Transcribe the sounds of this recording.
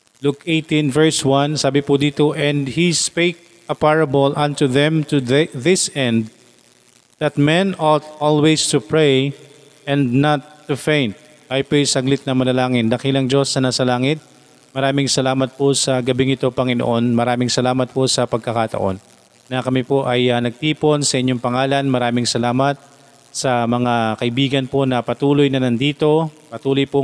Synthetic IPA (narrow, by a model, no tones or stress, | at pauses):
lukejt̪ĩnvɛɹswɐnsaːbɪpʊd̪iːt̪oʔɛ̃nd̪hispek̚ | ʔɐpaɹɐbolʔɐ̃nt̪uðɛ̃mt̪uððɪsɛ̃nd̪ | ðɐt̪̚mɛ̃nʔɔt̪ʔɔlwejst̪upɹej | ʔɛ̃nd̪nɐt̪ːufẽjnt̪̚ | ɐjpejsɐɡlɪt̪̚nɐmɐlɐlaːŋɪnd̪ɐkilɐŋd͡ʒo̞sːɐnaːsɐlaːŋɪt̪̚ | mɐɾaːmɪŋsɐlaːmɐt̪̚posɐɡɐbɪŋɪt̪o̞pɐŋɪno̰ʔo̞nmɐɾaːmɪŋsɐlaːmɐt̪̚po̞sɐpɐɡ̚kɐkat̪ɐ̰ʔo̞̰nː | ɐkɐmɪpo̞ʔɐjɐnɐɡ̚t̪iːpo̞nsɐʔɪɲːo̞ŋpɐŋaːlɐnmɐɾaːmɪŋsɐlaːmɐt̪̚ | sɐmɐŋakɐʔɪbiːɡɐnpo̞nɐpɐt̪uːlojnɐnɐnd̪iːt̪o̞pɐt̪uːlojpo